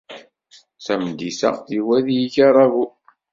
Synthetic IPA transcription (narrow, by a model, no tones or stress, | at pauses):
sæmd̪isæ̰iwæðjiçɑɾˤɑɣu